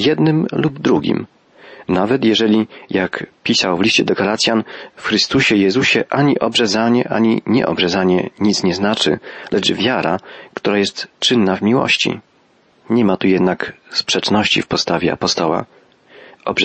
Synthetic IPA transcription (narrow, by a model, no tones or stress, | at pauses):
jɛd̪nɘmlubd̪ɾuɡʲḭm | navɛt̪jɛʐɛlʲijakpʲisawvlʲiɕt͡ɕɛd̪ɔɡalat̪sʲjanfxɾɘst̪uɕɛjɛzuɕɛʔaɲiʔɔbʐɛzaɲɛʔaɲiɲɛ̰ʔɔ̰bʐɛzaɲɛɲit̪sɲɛznat͡ʂɘ̰lʔɛt͡ʂvʲjaɾakt̪uɾajɛst̪t͡ʂɘnːavmʲiwɔ̰ɕt͡ɕḭ | ɲɛmat̪ujɛd̪nakspʂɛt͡ʂnɔɕt͡ɕḭfpɔst̪avʲjɛa̰pɔst̪ɔwa̰ | ɔb